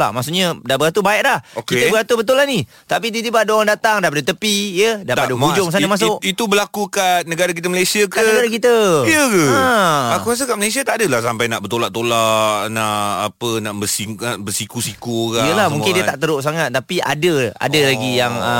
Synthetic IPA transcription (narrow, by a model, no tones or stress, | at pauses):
la̰masuʔɲadabəɡat̪ubaɪʔlahokit̪əbəɡat̪ubət̪ulani | t̪apit̪it̪ibaadaoɾaŋdat̪aŋdap̬adət̪əpijədapadəɡud͡ʒʊŋs̬anamas̬ʊʔit̪ubəlakukat̪̚nəɡaɾak̬it̪əməlasiakaənəɡaɾakit̪əjəkəaakuɾas̬əkaʔməles̬iat̪aʔdəlahsampajnaʔbərt̪olaʔt̪olaʔnaʔapənaʔbəsibəsikusikukaijəlahmũŋkɪndiət̪aʔt̪əɾʊʔs̬aŋat̪̚ːapiʔa̰dəa̰dəlaɡijaŋə